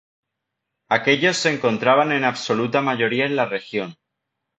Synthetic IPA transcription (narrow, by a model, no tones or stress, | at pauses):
ake̞ʎo̞sːe̞ŋko̞nt̪ɾaβ̞anẽ̞naβso̞lut̪amaʝo̞ɾiaenlare̞xjo̞n